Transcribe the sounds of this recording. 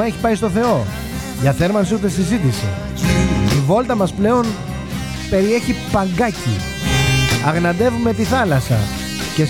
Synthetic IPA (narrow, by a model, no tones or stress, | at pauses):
ɐe̞çi̥pɐist̪o̞θe̞o̞ | ʝɐθe̞ɾmɐnsiut̪e̞sizit̪̬isḛ | sivo̞lt̪ɐmɐsple̞o̞n | pe̞ɾie̞çipɐŋɡɐcḭ | ɐɣnɐd̪e̞vume̞t̪iθɐlɐsɐ̰ | ce̞